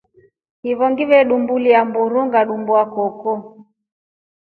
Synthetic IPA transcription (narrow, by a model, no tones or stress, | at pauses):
hiβɔŋɡiβɛɗumbuliambuɾuŋɡaɗumbuakɔkɔ